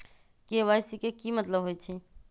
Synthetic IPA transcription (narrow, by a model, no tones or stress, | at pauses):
keʋajsikekimət̪ləbɦojt͡ʃʰi